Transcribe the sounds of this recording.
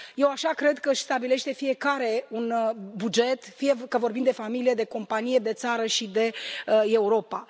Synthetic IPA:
je̞waʃakɾe̞d̪kəɨʃʲst̪abile̞ʃt̪e̞fie̞kaɾe̞unbud͡ʒe̞t̪fije̞kəvo̞rbimd̪efamilije̞d̪e̞ko̞mpanije̞d̪e̞t̪saɾəʃid̪e̞e̞uɾo̞pa

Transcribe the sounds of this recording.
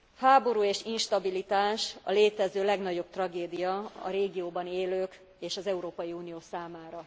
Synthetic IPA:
haːbo̞ɾuːeːʃinʃt̪ɒbilit̪aːʃɒ̰leːt̪ɛzøːlɛɡnɒɟo̞b̚t̪rɒɡeːd̪ijɒɒ̰ɾeːɡijoːbɒneːløːk | eːʃɒzɛuɾoːpɒjiuːnijoːsaːmaːɾɒ

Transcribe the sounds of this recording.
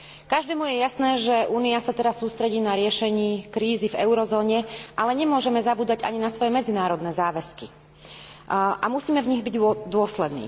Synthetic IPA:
kaʒd̪ɛːmujɛjasnɛːʒɛʔuːniasat̪ɛɾasːuːst̪ɾɛɟiːnaɾɪɛʃɛɲiːkɾiːzivɛʊɾɔzɔːɲɛʔalɛɲɛmʊɔʒɛmɛzabuːd̪aɟa̰ɲinasʋɔjɛmɛd͡zinaːɾɔd̪nɛːzaːʋɛski | ʔamusiːmɛvɲiɣbiɟd̪ʊɔslɛd̪nḭː

